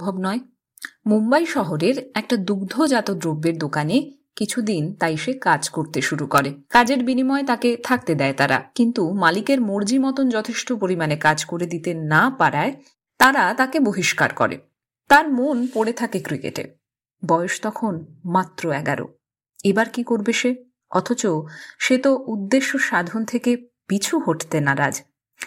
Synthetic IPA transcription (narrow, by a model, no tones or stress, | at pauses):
bʱobnɔe | mumbajʃɔɦoɾeɾɛk̚ʈad̪uɡd̪ʱod͡ʑat̪od̪ɾobːeɾd̪okane | kit͡ɕʰud̪int̪ajʃekad͡ʑkoɾt̪eʃuɾukɔɾekad͡ʑeɾbinimɔet̪aket̪ʰak̚t̪ed̪ɛet̪aɾa̰kint̪umalikeɾmoɾd͡ʑimɔt̪ond͡ʑɔt̪ʰeʃʈopoɾimanekad͡ʑkoɾed̪it̪enapaɾae | t̪aɾat̪akeboɦiʃka̰ɾkɔ̰ɾḛ | t̪aɾmonpoɽet̪ʰakekɾikḛʈḛ | bɔeoʃt̪ɔkʰonmat̪ːɾoɛɡaɾo̰ | ebaɾkikoɾbeʃe | ɔt̪ʰot͡ɕoʃet̪oʔud̪ːeʃːoʃad̪ʱont̪ʰeke | pit͡ɕʰuɦoʈt̪enaɾa̰d͡ʑ